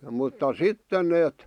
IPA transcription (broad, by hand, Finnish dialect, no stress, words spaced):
mutːɑ sitːen neːt